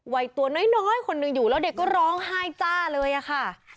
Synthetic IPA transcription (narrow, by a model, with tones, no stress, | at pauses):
wa˧jt̪u˧ɐnɔː˦˥˩jnɔː˦˥˩jkʰo˧nːɯ˧ŋjuː˨˩lɛː˦˥wde˨˩kːɔː˥˩ɾɔː˦˥ŋɦaː˥˩jt͡ɕaː˧˥˩lɤː˧jʔa˨˩xʰa˥˩